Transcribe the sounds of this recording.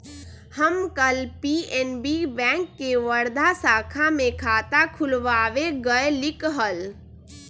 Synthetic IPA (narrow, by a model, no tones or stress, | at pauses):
həmkəlpiɛnbibɛ̃ːŋkːeʋəɾd̪ʱasaːkʰamẽkʰaːt̪akʰʊlʋaːʋeɡəelɪkɦəl